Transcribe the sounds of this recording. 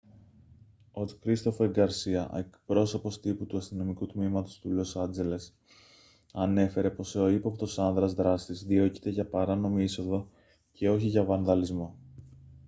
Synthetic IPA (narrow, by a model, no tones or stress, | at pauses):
ot̪kɾist̪o̞foeŋɡɐɾsiɐe̞kpɾo̞so̞po̞st̪iput̪uɐst̪ino̞mikut̪mimɐt̪o̞st̪ulo̞sɐnd͡ze̞le̞s | ɐne̞fe̞ɾe̞po̞so̞ipopt̪o̞sɐnðɾɐzðɾɐst̪izðio̞ci̥t̪e̞ʝɐpɐɾɐno̞miiso̞ðo̞ | ce̞o̞çiʝɐvɐnðɐlizmo̞